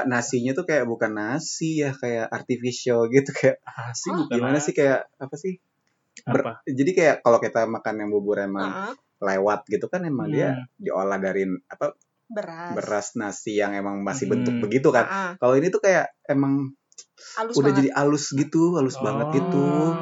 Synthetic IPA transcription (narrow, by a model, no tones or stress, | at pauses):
nasiɲat̪ukajaʔbukanːasijahkajaʔart̪ifisiolɡit̪ukajaʔsɪɡimanasɪhkajaʔapasɪh | bəd͡ʒadikajaʔkalokit̪amakanjaŋbubʊɾemaŋ | lewat̪̚ɡit̪ukanemaŋdiadiʔo̰lahdaɾiapa | bbəɾasnasijaŋemaŋmasɪhbənt̪ʊk̚bəɡit̪ukankaloinit̪ukajaʔemaŋ | udahd͡ʒadiʔalʊsɡit̪ualʊsbaŋət̪̚ɡit̪u